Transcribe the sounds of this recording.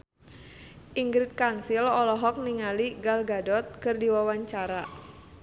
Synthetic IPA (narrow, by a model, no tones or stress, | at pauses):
ʔiŋɡɾɪt̪̚kansɪlɔlɔɦɔk̚niŋaliɡalɡadɔt̪̚kərdiwawaɲt͡ʃaɾa